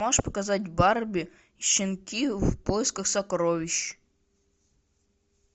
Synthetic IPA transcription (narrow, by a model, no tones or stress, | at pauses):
ɔʒpɔ̥kɐzɑtʲbɑrbʲi | ʃɪnkʲiwpɔjɪskɐxsɐkɾɔʋʲiʃ